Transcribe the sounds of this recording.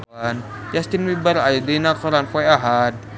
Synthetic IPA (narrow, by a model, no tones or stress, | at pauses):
an | d͡ʒast̪inwibəɾajad̪inakɔɾanfɔjaɦad̪̚